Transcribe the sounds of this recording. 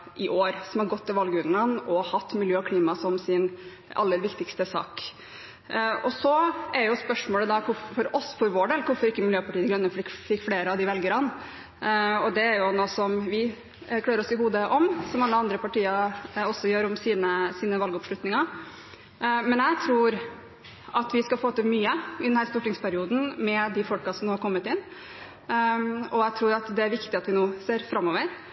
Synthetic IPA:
ʔɪʔoːɾsɔmhɑɾɡɔt̪ːɪlʋɑlɡəʉnlɑnɔhɑt̪ːmɪljøːɑkʰliːmɑsɔmsɪn | ʔɑ̰lːəɾʋɪkt̪ɪkst̪əsɑ̰ːk | ɔsɔɛɾjʊspœʂmoːləd̪ɑkʰʊffɔɾɔsfɔɾʋoːɖeːlkʰʊɾfɔɾɪkːəmɪljøːpɑʈiːət̪ɪɡɾœnːəfɪkfɪkːfleːɾəɑʋd̪ɪʋɛlɡəɾɑn | ɔd̪ɛæɾjʊnoːsɔmʋɪ | kʰlɑːɾəɾɔsɪɦuːd̪əʔɔmsɔmɑlːəɑnd̪ɾəpɑʈiːɑɾɔsːɔjøːɾɔmsiːnəsiːnəʋɑlɡɔpʂlʉt̪nɪŋɑ | mɛnæt̪ʰɾuːɾ | ʔɑt̪ʋɪskɑfoːt̪əmyːəɪd̪ɛnhæːɾst̪uːʈɪŋspʰæɾɪuːd̪n̩mɛd̪ɪfɔlkɑsɔmnoːhɑɾkʰɔmːət̪ɪnː | ɔæt̪ʰɾuːɾɑt̪d̪ɛæɾʋɪkt̪ɪɑt̪ʋɪnoːseːɾfɾɑmːɔːʋəɾ

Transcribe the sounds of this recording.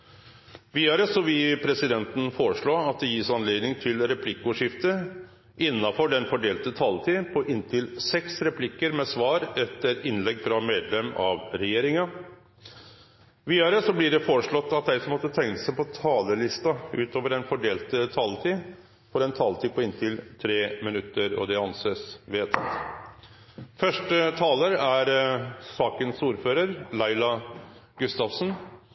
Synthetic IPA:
ʋiːɑɾəsɔʋɪpʰɾɛsɪd̪ɛnt̪n̩foːɾəʂɭoːɑt̪̚d̪ɛjisɑnleːd̪nɪŋt̪ʰɪlɾɛpʰlɪkːʊʂɪft̪ə | ɪnːɑfɔɖɛnfɔɖeːlt̪ət̪ʰɑlt̪ʰiːpʰɔʔɪnt̪ʰɪlsɛksɾɛpʰlɪkːəɾmɛsʋɑːɾɛt̪ːəɾɪnlɛɡːfɾɑmeːd̪lɛmːɑʋɾɛjeːɾɪŋɑ | ʋiːɑɾəsɔblɪɖɛfoːɾəʂɭɔt̪ːɑt̪̚d̪æɪsɔmɔt̪ːət̪ʰɛŋəsæɪpɔt̪ʰɑːləlɪst̪ɑʉːt̪oːʋəɾɛnfɔɖeːlt̪ət̪ʰɑːlt̪ʰi | fɔɾɛnt̪ʰɑːlt̪ʰiːpʰɔɪnt̪ʰɪlt̪ʰɾeːmɪnʉt̪ːəɾɔ̰d̪ɛɑnseːsʋeːt̪ʰt̪ | fœʂʈət̪ʰɑːləɾæɾsɑːkənsuːɾføːɾəɾlɑɪlɑɡʉst̪ɑfsn

